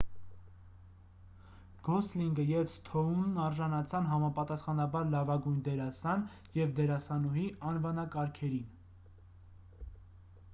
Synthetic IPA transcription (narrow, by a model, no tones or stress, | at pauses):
ɡ̥ɔsliŋɡəjɛvst̪ʰɔunːɑɾʒɑnɑt͡sʰɑnɦɑmɑpɑt̪ɑsχɑnɑbɑɾlɑvɑɡujnd̪ɛɾɑsɑn | jɛvd̪ɛɾɑsɑnɔɦiɑnvɑnɑkɑɾkʰɛɾin